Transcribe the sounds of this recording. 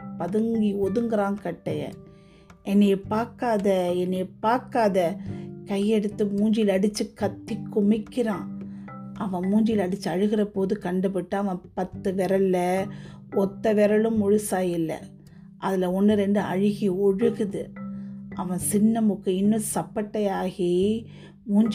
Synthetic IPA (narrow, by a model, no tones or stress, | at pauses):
pɐðɯŋɡiɔðɯŋɡɪɾãːŋkɐʈːɐjɐ̰ | ɛnːɛpaːɾkaːðɐɛnːepaːɾkaːðɐkɐjːɛɽɯt̪ːɯmuːɲd͡ʒilɐɽɯt͡ʃːɯkɐt̪ːikːʊmɪkːɪɾãː | ʔɐʋɐ̃muːɲd͡ʒɪlɐɽɪt͡ʃːɯɐɻɯɣɪɾɐpoːðɯkɐɳɖɯbɪʈːɯɐʋɐ̃pɐt̪ːɯʋɛɾɐlːɐ | ɔt̪ːɐʋɛɾɐlɯ̃mʊɻɯsaːjɪlːɐ̰ | ʔɐðɪlɐɔnːɯɾɛnd̪ɯɐ̰ɻɪɣiɔɻɯɣɯðɯ | ʔɐʋɐ̃sɪnːɐmʊkːɐɪnːɯ̃sɐpːɐʈːɐjaːɣi | muːɲ